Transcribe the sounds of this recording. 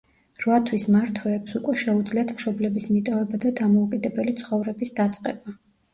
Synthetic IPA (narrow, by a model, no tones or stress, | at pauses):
ɾvat̪ʰwismaɾt̪ʰwɛːpsukʼwɛʃɛud̪zliat̪ʰmʃɔblɛbismit̪ʼɔvɛbad̪ad̪amɔukʼid̪ɛbɛlit̪sʰχɔvɾɛbisd̪at̪sʼqʼɛ̰ba